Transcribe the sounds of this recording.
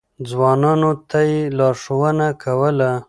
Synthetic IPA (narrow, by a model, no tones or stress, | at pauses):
d͡zwɑnɑnot̪ʰajelɑɾʂowənakʰawəla